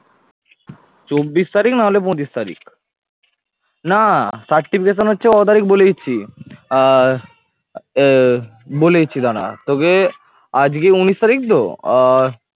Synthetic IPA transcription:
t͡ɕobːist̪aɾiknaɦolep̬õt͡ɕist̪aɾḭk | nasaʈʈːipʰikeʃ̬onɦotːɕʰeɔt̪aɾik̚bolet͡ɕʰi | bolet͡ɕʰid̪ana̰t̪oke | ad͡ʑkeunist̪aɾik̚d̪o̰

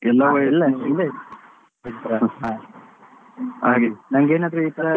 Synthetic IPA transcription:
ɛlːaʋɐilːɐilːɐi | it̪ːɾɐɦa | aːɡinɐŋɡeːnɐd̪ɾuit̪ːɐɾɐ

